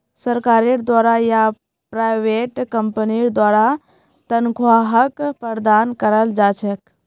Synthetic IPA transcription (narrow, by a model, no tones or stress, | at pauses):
sɐɾkaːɾeɽd̪waːɾaja | pɾaːɪʋeːʈkəmpəniɽd̪waːɾa | t̪ɐnɡʱwaːɦəkpəɾd̪aːnkəɾəld͡ʒaːt͡ʃʰək